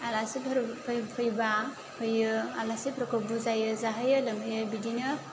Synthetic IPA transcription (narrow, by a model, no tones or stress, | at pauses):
alasibʱɾpʰpʰəjba | hɯjɯalasipɾɔkɔbuzajɯzaɦajɯləmɯjɯbidinɯ